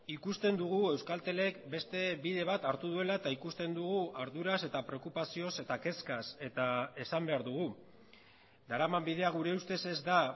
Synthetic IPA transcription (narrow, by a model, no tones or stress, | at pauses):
ikust̪e̞nd̪uɣue̞wskalt̪e̞le̞kbe̞st̪e̞biðe̞β̞at̪aɾt̪uð̞ue̞laet̪aikust̪e̞nd̪uɣ̞uʔaɾðuɾase̞t̪apɾe̞okupasio̞se̞t̪ake̞skase̞t̪ae̞sambe̞aɾðuɣ̞u | d̪aɾamambið̞e̞aɣ̞uɾe̞ust̪e̞se̞zd̪a